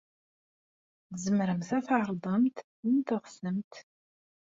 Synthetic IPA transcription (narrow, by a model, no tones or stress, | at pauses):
θzəmɾəmθæθʕɾˤðˤəmt̪ | nt̪ʊʁsəmt̪